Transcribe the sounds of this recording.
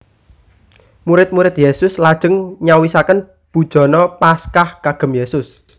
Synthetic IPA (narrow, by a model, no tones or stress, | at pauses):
muɾɪt̪̚muɾɪt̪jesʊslad̥ʒ̥ə̤ŋɲawisakən | b̥ṳd̥ʒ̥ɔ̤nɔpaskahkaɡ̥ə̤mjesʊs